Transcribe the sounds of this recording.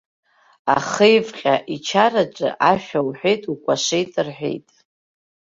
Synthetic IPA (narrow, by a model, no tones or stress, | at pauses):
aχɨjvqʲʼaʔit͡ʃʰaɾaʈ͡ʂʼɨ̰ʔaʃᶣawħʷᶣejtʼukʷʼaʂejtʼrħʷᶣḛjtʼ